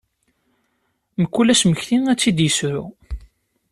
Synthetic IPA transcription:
məkːulæʃməçθiŋæt͡sːid̪jəsɾu

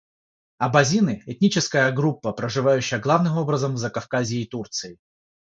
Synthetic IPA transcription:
ɐbɐzʲinɨɛt̪ʲnʲit͡ɕɪskəjəɡɾupːəpɾəʐɨvajʉɕːɪjəɡlˠavnɨmo̞bɾəzəmzɐkɐfkazʲɪːt̪urt̪sɨjɪ

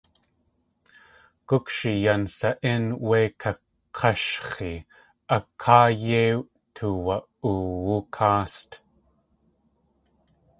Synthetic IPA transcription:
kʊkʃijansaʔinwekʰa | qʰɑʃχi | ʔakʰaːjew | t̪ʰuwa | uwukʰaːst̪

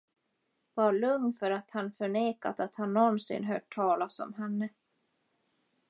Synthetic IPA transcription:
vaɭɵŋnfœɾat̪hanfœɳeːka̰t̪at̪hanːɔnsɪ̰nɦœ̰ːʈ̚ʰːɑːlasɔ̰mɦɛnːə

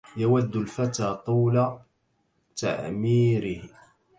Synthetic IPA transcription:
jawæd̪ːʊlfat̪aːt̪ˤuːla | t̪a̰ʕmiːɾɪh

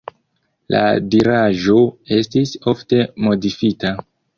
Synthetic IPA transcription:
la̰diɾaʒo̞e̞stiso̞fte̞mo̞difita

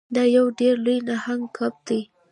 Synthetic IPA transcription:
d̪ɑjawɖeɾlojnahaŋɡkʰap̚d̪e

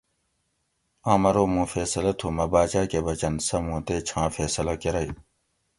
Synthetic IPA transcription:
ãːmɐɾoːmũːfeːsɐlɐt̪ʰumɐbaːt͡ɕaːkebɐt͡ɕɐnsɐmũːt̪eːt͡ɕʰãːfeːsɐlɐkeɾɐi

